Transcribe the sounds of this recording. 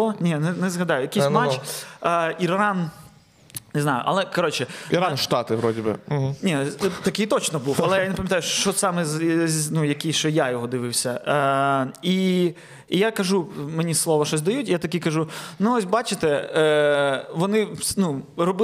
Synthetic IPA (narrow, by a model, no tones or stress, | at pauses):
ɔnʲinɛnɛzɦɐd̪ɑjʊjɐkʲijsʲmat͡ʃ | irɑn | nɪznɑjʊ̰ʔɐ̰lˠɛkɐɾɔt͡ʃɪanʃt̪ɑt̪ɪʋɾɔdʲɪbɨ̰ɦ̩nʲit̪ɐkɪjt̪ɔt͡ʃnɔbuwɐlˠɛjanepɐmʲjɐt̪ɑjʊʃt͡ʃɔsɑmɛznujɐkiʃt͡ʃɔjajɔɦɔd̪ɪʋɪwsʲɐ | i | jakɐʒumenʲislˠɔʋɐʃɔsʲd̪ɐjutʲjat̪ɐkʲikɐʒunuɔsʲbɑt͡ʃɪt̪ɛ | ʋɔnɪnurɔbɪ